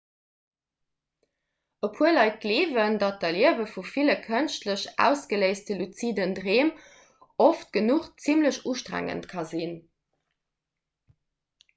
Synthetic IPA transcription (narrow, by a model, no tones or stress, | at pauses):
əpʰuəlɑɪt̚kleːvəndɑt̚dɐliəvəfufiləkʰənʃtləɕæ̰ːʊsɡ̥əleɪstəlut͡sidəndʁeːm | oft̚ɡ̥ənuχt͡simləɕuːʃtʁæ̰ŋə̰ntkʰɑzin